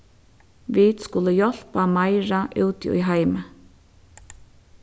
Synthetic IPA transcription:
ʋiːd̪skʊləjɔl̥pamaɪɹaʔʉːt̪ḭːɦaɪmə

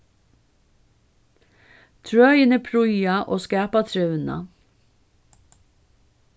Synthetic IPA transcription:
t̪ʰɹœʏɪnəpʰɾʊjɑʔoːskæːpɑt̪ʰɾœʉnɑ̰

